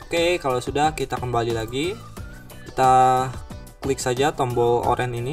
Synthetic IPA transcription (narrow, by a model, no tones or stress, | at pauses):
okekalawsudahkit̪akəmbalilaɡi | kit̪a | kəlɪk̚sad͡ʒat̪ɔmbɔo̰ɾʔɛnini